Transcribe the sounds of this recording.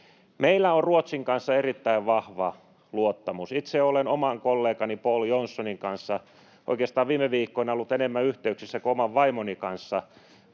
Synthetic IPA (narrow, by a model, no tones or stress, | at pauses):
meilːæorruot̪siŋkɑnsːɑerit̪ːæiʋʋɑhʋɑ | luot̪ːɑmusit̪seolenomɑŋkolːeːkɑnipoljonsːoniŋkɑnsːɑ | ʔo̰ikeːst̪ɑːʋʋiːmːˑeʋiːkːoinolːut̪enemːæyht̪eyksisːækuomɑʋʋɑimonikɑnsːɑ